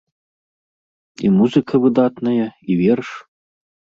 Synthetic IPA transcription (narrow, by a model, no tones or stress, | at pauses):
ḭmuzɨkʰɐβɨd̪ɑt̪nɐjɐiβerʂ